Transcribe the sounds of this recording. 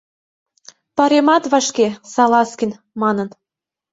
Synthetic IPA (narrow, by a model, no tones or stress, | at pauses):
pɑɾemɑt̪βɑʃkesɑlɑskin | mɑnən